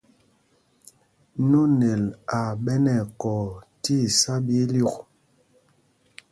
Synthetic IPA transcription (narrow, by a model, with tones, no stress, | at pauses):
nu˦ne˨la˨ɓɛ˦nɛ˨kɔ˨ti˦˨sa˦bi˦lu˦˨k